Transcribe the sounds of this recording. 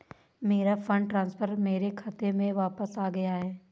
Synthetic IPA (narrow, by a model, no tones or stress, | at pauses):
meːɾafʰə̃ɳɖʈɾãːnspʰəɾmeːɾekʰɐt̪emẽʋaːpəsaːɡɐjaɦɛː